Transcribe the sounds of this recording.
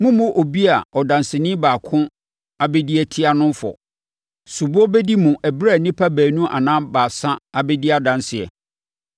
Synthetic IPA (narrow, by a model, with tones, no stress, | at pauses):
mũ˦mʊ̃˦ʔo˨bi˦a˨ɔ˨dã˨nsɪ˨nɪ̃˦baː˨kʰʊ̃˦ | a˦bɛ˦di˦ɛ˦tʰi˦a˦nʊ̃˦mfɔ̰˨ | su˨bʊ˦ɔ˦bɛ˦di˦mũ˨ʔæ˨bɾa˦˨nĩ˦pʰa˦bæː˨nũ˦ʔa̰˨nãː˦baː˨sã˦a˨bɛ˦di˦a˨dã˨nsɪ˨ɛ̰˨